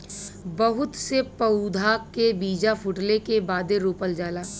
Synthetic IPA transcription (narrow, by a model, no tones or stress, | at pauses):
bɐɦʊt̪sepəud̪ʱakebiːd͡ʒafʰʊʈlekebaːd̪eɾuːpəld͡ʒaːlaː